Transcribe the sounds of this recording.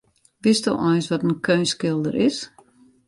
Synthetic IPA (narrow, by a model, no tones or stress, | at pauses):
ʋɪstɔ̰ɔjnsʋɔtənkʰøɥnskɪlˠdəɾɪs